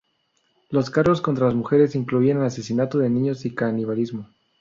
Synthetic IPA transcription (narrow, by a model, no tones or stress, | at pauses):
lo̞skarɣo̞sko̞nt̪ɾalazmuxe̞ɾe̞siŋkluianelase̞sinat̪oðe̞nĩɲo̞sikaniβalizmo̞